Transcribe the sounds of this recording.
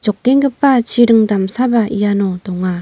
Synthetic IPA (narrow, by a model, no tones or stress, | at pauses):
d͡ʑɔk̚ːeŋɡɯp̚ːat͡ɕiɾɯŋdamsʰabaianodɔŋa